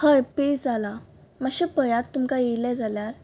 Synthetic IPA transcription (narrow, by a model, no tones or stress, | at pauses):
həjped͡zala | maɕepəjat̪ːumkajelɛd͡zaljaɾ